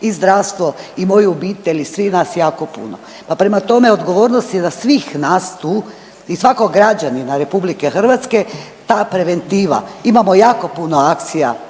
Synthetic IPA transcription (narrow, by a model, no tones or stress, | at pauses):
izd̪ɾast̪ʋo̞imo̞jobiːt̪e̞ʎʲisʋinaːsjaːko̞pṵno̰ | papɾe̞mat̪o̞me̞od̪ɡo̞ʋo̞ːɾnost̪jezasʋiːxnaːst̪uː | isʋakoɡɾad͡ʑaninaɾe̞publikexr̩ʋat̪ske | t̪aːpɾe̞ʋe̞nt̪iːʋa̰imamojaːko̞puno̞ak̚t̪sija̰